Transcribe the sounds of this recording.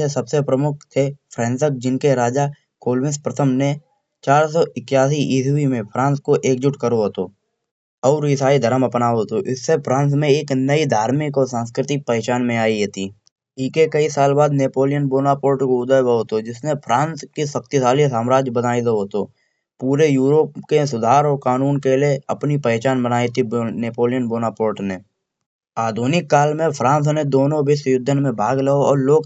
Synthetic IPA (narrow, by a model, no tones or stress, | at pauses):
esɐbsepɾəmʊk̚ʰt̪ʰepʰɾɛ̃ːnsək̚d͡ʒɪnkeɾaːd͡ʒa | koːlwɪ̃nspɾɐt̪ʰəmne | t͡ʃaːɾs̬ɔːɪkjaːs̬iʔiːswimẽpʰɾãːnskoʔeːkd͡ʒɪʈkəɾoɦoːt̪o | ɔːɾɪsaːid̪ʱəɾəmɐpnaːoɦot̪oʔɪsːepʰɾãːns̬mẽeːknɐid̪ʱaːɾmɪkosãːns̬kɾɪt̪ɪk̚pəet͡ʃaːnmẽaːiɦɛːt̪iː | iːkekɐisaːlbaːd̪neːpoːlɪjənboːnapoːɾʈkoʊd̪əjbəoːt̪od͡ʒɪsnẽpʰɾãːnskisək̚t̪isaːlisaːmɾaːd͡ʒjbənaːid̪oɦot̪oː | puːɾejuːɾoːpkes̬ʊd̪ʱaːɾɔkaːnuːnkelieɐpnipəɛt͡ʃaːnbənaːit̪ʰibneːpoːlɪjənboːnapoːɾʈne | aːd̪ʱuːnɪkːaːlmẽpʰɾãːns̬ned̪oːnõbɪsjʊd̪ʱːənmẽbʱaːɡləoɔːɾloːɡ